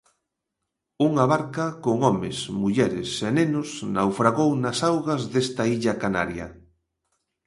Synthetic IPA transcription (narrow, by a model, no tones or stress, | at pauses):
uŋaβaɾkɐkoŋɔmesmuʎɛɾɪsenẽnʊsnawfɾaɣownasawɣɐzðest̪aiʎɐkana̰ɾjɐ̰